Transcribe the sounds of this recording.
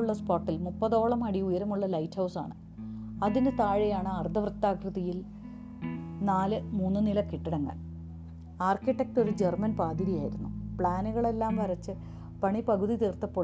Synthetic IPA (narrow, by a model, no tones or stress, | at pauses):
uɭːɐspoːrʈːilmupːɐðo̞ːɭɐmɐɽiujɐɾɐmuɭːɐlɐjtːhɐwsa̰ːɳɨ | ɐðinɨt̪aːɻijaːɳɨɐrd̪ʱɐʋrɨt̪ːaːkrɨðijil | naːlɨmuːnːɨnilɐkiʈːiɽɐŋːɐ̰ɭ | aːrkiʈːek̚to̞ɾud͡ʑermɐnpaːd̪iɾijaːjiɾunːupɭaːnuɣɐɭe̞lːaːmʋɐrɐt͡ɕːɨ | pɐɳipɐɣuðit̪iːrt̪ːɐpːoː